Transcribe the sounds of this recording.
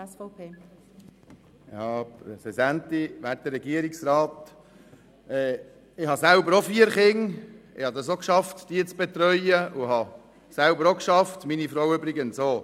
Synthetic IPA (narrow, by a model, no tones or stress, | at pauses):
sfpʰeː | jɑpɾɛsɛdænt̪iʋæt̚d̥̪ərɛɡiəɾiksɾɑːt̪ | ɛː | ɪhɑsælbəɾofiːəɾχɪŋɪ̰hɑd̪ɑsokʃɑftd̥iət͡sb̥et̪ɾœʏjəuɦɑ | sælbəɾokʃɑftminifɾowʏbɾɪɡənsoː